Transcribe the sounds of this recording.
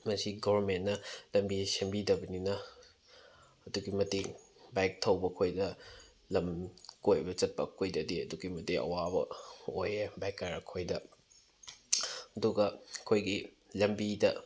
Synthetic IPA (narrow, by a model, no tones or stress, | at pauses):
mɐsiɡoβɐɾmentnɐlɐmbisembidɐbɐninɐ | ɐduɡimɐti | bajk̚tʰɐwbɐkʰojdɐ | lɐmkojbɐt͡ʃɐt̚pɐ̰kʰojdɐdiɐ̰duɡimɐtiɐ̰wabɐ̰ojebajkːajɾɐkʰojdɐ | ɐduɡɐkʰojɡi | lɐmbidɐ